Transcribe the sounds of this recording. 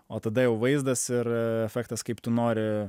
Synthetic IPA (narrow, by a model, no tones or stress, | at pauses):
oːt̪ɐd̪ɐjɛʊʋɐɪzd̪ɐsɪɾɛfʲækt̪ɐskɐɪpt̪ʊnoːɾʲɪ